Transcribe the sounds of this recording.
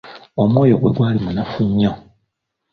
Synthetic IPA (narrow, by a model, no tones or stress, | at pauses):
omwoːjoɡwḛɡwaːlimunafuɲːa